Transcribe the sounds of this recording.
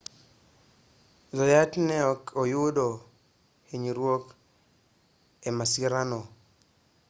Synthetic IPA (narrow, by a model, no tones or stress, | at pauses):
zɔjatnɛɔkʰojudo | heɲiɾwok | emasiɾano